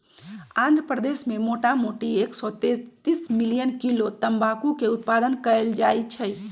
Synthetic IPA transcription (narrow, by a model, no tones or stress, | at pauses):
ãnd̪ɾəpɾəd̪esmemoʈamoʈieksɔt̪et̪ismilijənkilot̪əmbakukeut̪̚pad̪ənkəeld͡ʒajt͡ʃʰəj